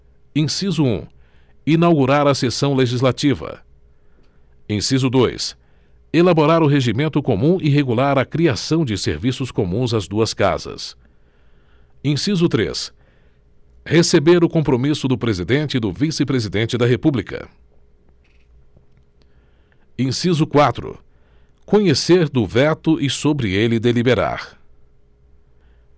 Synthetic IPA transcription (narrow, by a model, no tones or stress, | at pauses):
ẽsizʊṵ̃ | inawɡuɾaɾɐsesɐ̃w̃leʒizlat͡ʃivɐ̰ | ẽsizʊd̪ojs | elaboɾaɾʊɦeʒimẽnt̪ʊkomũɪɦeɡulaɾɐkɾiasɐ̃w̃d͡ʒɪsḛɾvisʊskomũzɐzd̪uɐska̰zɐ̰s | ẽsizʊt̪ɾḛs | hesebeɾʊkõmpɾomisʊd̪ʊpɾezid̪ẽnt͡ʃɪd̪ʊvisɪpɾezid̪ẽnt͡ʃɪd̪ɐɦepublikɐ̰ | ẽsizʊkwat̪ɾʊ̰ | kõɲeseɾd̪ʊvɛt̪ʊʔɪsobɾɪelɪd̪elibeɾa̰ɾ